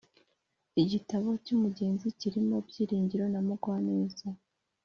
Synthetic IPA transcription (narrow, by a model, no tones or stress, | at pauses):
iɟitaβo̞cuːmuɟe̞ːnziciɾimo̞bɟiːɾiːɲɟiɾo̞namuɡwane̞ːza